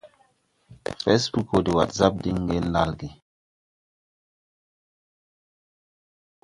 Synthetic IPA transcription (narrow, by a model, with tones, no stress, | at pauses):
fɛ˦sbu˦ko˨di˨wa̰˨tza˦p̚di˦ŋ˦ɡe˦n̩˦la˦lɡi˨